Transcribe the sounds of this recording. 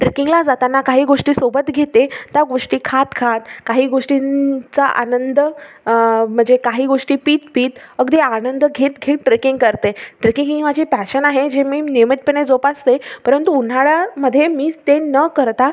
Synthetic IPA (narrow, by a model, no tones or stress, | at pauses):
ʈɾekiŋɡlad͡zat̪anːakaɦiːɡoʂʈiːsobət̪ɡʱet̪et̪jaɡoʂʈiːkʰat̪kʰat̪kaɦiːɡoʂʈit͡saʔa̰nənd̪ə | m̤əɳd͡zekaɦiːɡoʂʈiːpiːt̪piːt̪əɡd̪iːanənd̪əɡʱet̪ɡʱeːʈʈɾekiŋɡkəɾt̪eʈɾekĩŋkĩʋ̤ad͡ʑiːpæɕənaɦed͡ʑemiːnimət̪̚pəned͡zopast̪epəɾənt̪uːn̤aɭaməd̪ʱːjemiːt̪enəkəɾt̪a